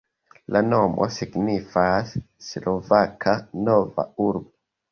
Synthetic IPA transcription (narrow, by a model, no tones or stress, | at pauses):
lanomʔo̰siɡnifasː | lovakʰanova̰uɾbo